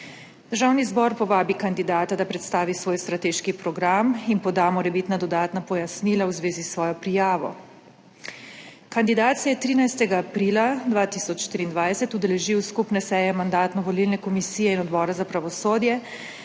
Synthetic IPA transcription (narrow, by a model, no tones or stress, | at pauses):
d̪əɾʒaːwnizbɔɾpɔʋaːbikand̪id̪aːt̪ad̪apɾɛt̪st̪aːʋisʋoːjst̪ɾat̪eːʃkipɾɔɡɾaminpɔd̪aːmɔɾɛbit̪nad̪ɔd̪aːt̪napɔjasniːlawzʋeːzisʋɔːjɔpɾijaːʋɔ̰ | kand̪id̪aːt̪sijajɛt̪ɾiːnajst̪ɛɡaːpɾiːlad̪ʋaːt̪isɔt͡ʃʃt̪iɾiːnd̪ʋajsɛt̪ud̪ɛlɛʒiwskupnɛsɛːjɛmand̪aːt̪nɔʋɔlilnɛkɔmisiːjɛinɔd̪bɔːɾazapɾaʋɔsoːd̪jɛ